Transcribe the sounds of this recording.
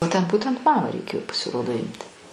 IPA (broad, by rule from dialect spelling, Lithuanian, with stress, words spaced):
oː ˈtʲɛn ˈbuːtʲɛnt ˈmɑːmɑː rʲɛɪˈkʲeːjoː pɐsʲɪˈroːdoː ˈɪmʲtʲɪ